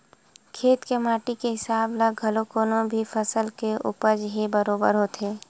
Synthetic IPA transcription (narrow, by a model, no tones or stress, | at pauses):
kʰeːt̪kemaːʈikeɦɪsaːbləɡʱɐlokoːnõbʱifʰəsəlkeʔʊ̰pəd͡ʒɦebəɾoːbə̰ɾɦoːt̪eː